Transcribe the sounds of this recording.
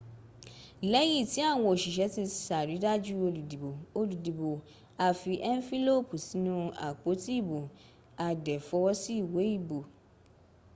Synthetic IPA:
lɛ˦ji˦˨ti˨˦a˦˨w̃ɔ̃˧o˨ʃi˨ʃɛ˨˦ti˧˨sa˨ɾi˨˦da˦d͡ʒu˦o˧lu˨di˨bo˨o˧lu˨di˨bo˨ | a˧fi˧ʔɛ˦n˦fi˦lo˦˨pu˨si˨˦nũ˦a̰˨k͡po˨˦ti˦i˦˨bo˨ | a˧dɛ˨fɔ˧˦wɔ˦si˦i˦˨we˨˦i˦˨bo˨

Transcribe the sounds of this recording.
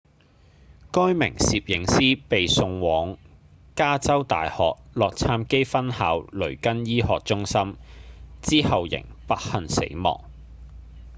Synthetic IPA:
kɔː˥jmɪ̰˨˩ŋsiː˨p̚jɪ˨˥ŋsiː˥pe˨jsʊ˧ŋwɔː˨˥ŋ | kaː˥t͡sɐ˥wt̪a̰ː˨jhɔː˨k̚lɔː˨k̚t͡sʰaː˧mke˥jfɐ˥nhaː˨˥wlɵ˨˩ɥkɐ˥njiː˥hɔː˨k̚t͡sʊ˥ŋsɐ˥m | t͡siː˥hɐ˨wjɪ̰˨˩ŋpɐ˥t̚hɐ˨nsḛ˨˥jmɔ̰ː˨˩ŋ

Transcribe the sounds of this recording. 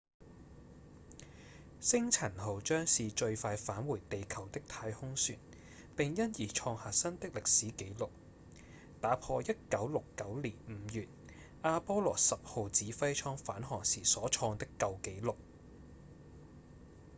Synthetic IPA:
sɪ˥ŋt͡sʰɐ˨˩nho˨˩wt͡ʃœː˥ŋsiː˨t͡ʃɵ˧ɥfaː˧jfaː˨˥nwuː˨˩jt̪e˨jkʰɐ˨˩wt̪ɪ˥k̚t̪ʰaː˧jhʊ˥ŋsyː˨˩n | pɪ˨ŋjɐ˥njiː˨˩t͡ʃʰɔː˧ŋhaː˨tsɐ˥nt̪ɪ˥k̚lɪ˨k̚siː˨˥ke˨˥jlʊ˨k̚ | t̪aː˨˥pʰɔː˧jɐ˥t̚kɐ˨˥wlʊ˨kːɐ˨˥wliː˨˩nm̩˨˩˦jyː˨t̚ | aː˧pɔː˥lɔː˨˩sɐ˨p̚ho˨˧wt͡siː˨˥fɐ˥jt͡ʃʰɔː˥ŋfaː˨˥nɦɔː˨˩ŋsiː˨˩sɔː˨˥t͡ʃʰɔː˧ŋt̪ɪ˥kːɐ˧wke˨˥jlʊ˨k̚

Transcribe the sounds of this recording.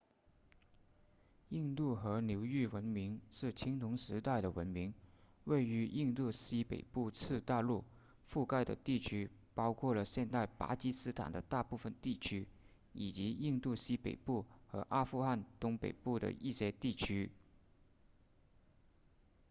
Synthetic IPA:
i˥˧ŋt̪u˥˩xɤ˧˥ljo˧˥ʊy˥˩wə˧˥nmi˧˥ŋʂɻ̩˥˩t͡ɕʰi˥ŋt̪ʰʊ˧˥ŋʂɻ̩˧˥t̪a˥˩ɪɾə˩wə̰˧˥nmi˧˥ŋ | we˥˩ɪy˧˥ʔi˥˧ŋt̪u˥˩ɕi˥pḛ˨˩ɪpu˥˧t͡sʰɹ̩˥˧t̪a˥˧lu˥˧ | fu˥˧ka˥˩ɪd̪ə̰˩t̪i˥˩t͡ɕʰy˥pɑ˥ʊkʰwɔ˥˩lə˩ɕjɛ˥˧nt̪a˥˩ɪpa̰˧˥t͡ɕi˥sɹ̩˥t̪ʰa̰˨˩nd̪ə˦t̪a˥˧pu˥˩fə˨nt̪i˥˩t͡ɕʰy˥ | i˨˩t͡ɕi˧˥i˥˧nt̪u˥˩ɕi˥pḛ˨˩ɪpu˥˩xɤ˧˥ʔa˥fu˥˧xa˥˩nt̪ʊ˥ŋpḛ˨˩ɪpu˥˩d̪ə̰˩i˥˩ɕjɛ˥˧t̪i˥˩t͡ɕʰy˥

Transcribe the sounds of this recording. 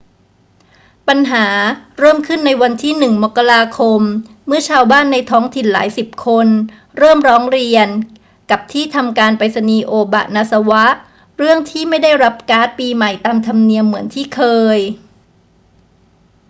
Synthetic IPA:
pa˧nɦaː˩˦ɾɤː˥˩mkʰɯ˥˩nːa˧jwa˧nt̪ʰiː˥˩nɯ˨˩ŋmo˨˩kːa˧ɾaː˧kʰo˧mː | ɯ˥˩ɐt͡ɕʰaː˧wbaː˥˩nːa˧jt̪ʰɔː˦˥ŋt̪ʰi˨˩nla̰ː˩˦jsi˨˩p̚kʰo˧n | ɾɤː˥˩mɾɔː˦˥ŋɾi˧ən | ka˨˩p̚t̪ʰiː˥˩t̪ʰa˧mkaː˧npa˧jsa˧niː˧ʔoː˧ba̰˨˩na˧sa˧wa˦˥ʔ | ɾɯ˥˩əŋt̪ʰiː˥˩ma˥˩jda˥˩jɾa˦˥p̚kaː˦˥t̪̚piː˧ma˨˩jt̪aː˧mt̪ʰa˧mni˧əmːɯ˩˦ənt̪ʰiː˥˩kʰɤː˧j

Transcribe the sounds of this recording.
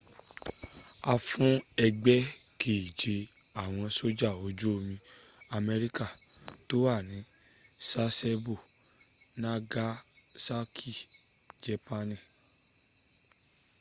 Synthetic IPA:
a˧fũ˦ɛ˧ɡ͡bɛ˦kʰe˨i˨d͡ʒe˧ | a˨w̃ɔ̃˧so˦d͡ʒa˦˨o˨˦d͡ʒo˦o˧mĩ˧ | a˧mɛ˧ɾi˦ka˦˨ | to˦wa˦˨nĩ˨˦ | sa˦sɛ˦bo˦˨ | nã˦ɡa˦ | sa˦kʰi˦˨ | d͡ʒɛ˨pa˧nĩ˦˨

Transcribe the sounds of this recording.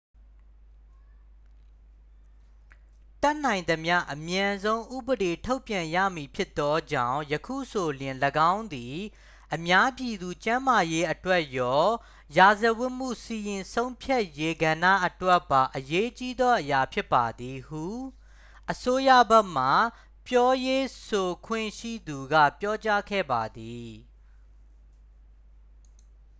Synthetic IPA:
t̪ɛ˦ʔn̥ã˨ɪ̃nd̪ə˨mja̰˦ʔəmjã˨nzõ˦ʊ̃ʔṵ˦˨bəɾe˨tʰo˦ʊpjã˨jä̰˦˨mi˨pʰjɪ˦t̪ːɔ˦d͡ʑã̰˦˨ʊ̃jəkʰṵ˦˨so˨ljɪ̃˨ləɡã˦ʊ̃nd̪i˨ | ʔəmja˦pji˨d̪u˨t͡ɕã˦ma˨je˦ʔətwɛ˦ʔjɔ˦ | ja˨zə˨wʊ˦ʔm̥ṵ˦˨si˨jɪ̃˨nsõ˦ʊ̃mpʰja˦ʔje˦ɡã˨ndä̰˦˨ʔətwɛ˦ʔpːa˨ʔəje˦t͡ɕi˦d̪ɔ˦ʔəja˨pʰjɪ˦pːa˨d̪i˨hṵ˦˨ | ʔəso˦jä̰˦˨bɛ˦ʔm̥a˨ | pjɔ˦je˦so˨kʰwɪ̰̃˦˨ʃḭ˦˨d̪u˨ɡa̰˦˨pjɔ˦t͡ɕa˦kʰɛ̰˦˨ba˨d̪i˨

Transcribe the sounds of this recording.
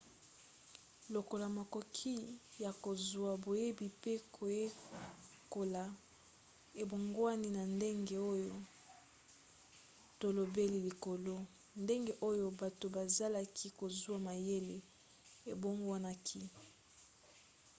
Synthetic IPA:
lo˨ko˨la˨ma˨ko˨kʰi˦ja˨ko˨zwa˨bo˨je˦bi˨pe˦kʰo˨je˦ | ko˨la˨ | e˨bo˨ŋɡwa˦ni˦na˨nde˦ŋɡe˦o˦jo˦ | to˦lo˨be˦li˨li˨ko˨lo˦ | nde˦ŋɡe˦ʔo˦jo˦ba˨to˨ba˨za˦la˦kʰi˦ko˨zu˦a˦ma˨je˦le˨ | e˨bo˦ŋɡa˦na˦kʰi˦

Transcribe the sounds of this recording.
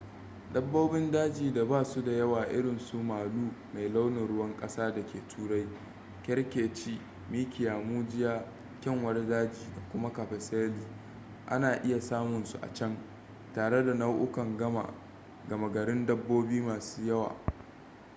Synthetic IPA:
dɐ˦bːoː˦bɪ˦ndaː˦d͡ʒiː˨da˨baː˦su˦da˨jɐ˦waː˨ʔɪ̰˦ɽɪ˨nsu˦maː˨luː˦ma˨jla˦wnɪ˨ɽʊ˦wɐ˦ŋkʼɐ˦saː˦da˨kʲeː˨tʰuː˦ɽa˦j | kʲɛ˦ɽkʲeː˨t͡ʃiː˦ | miː˦kʲɪ˨jaː˨muː˦d͡ʒɪ˦jaː˦ | kʲɐ˦ŋwɐ˦rdaː˦d͡ʒiː˨da˨kʷʊ˦ma˦ka˨ɸɛ˨seː˦liː˦ | ʔa̰˦naː˨ʔɪ˦ja˨saː˦mʊ˨nsu˨ʔa̰˨t͡ʃɐ˦ŋ | taː˨ɽe˦da˨nɐ˦wʔʊ˦kɐ˨ŋɡɐ˦ma̰˨ | ɡɐ˨ma˨ɡɐ˨ɽɪ˦ndɐ˦bːoː˦biː˦maː˨su̥ː˦jɐ˦wa̰ː˨

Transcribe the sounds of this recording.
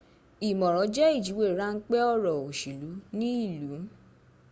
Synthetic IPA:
i˨mɔ̃˨ɾ̃ɔ̃˨˦d͡ʒɛ˦i˦˨d͡ʒi˨˦we˦˨ɾa˦ŋ̩˦k͡pɛ˦ɔ˦˨ɾɔ˨o˨ʃi˨lu˨˦nĩ˦i˦˨lu˨˦

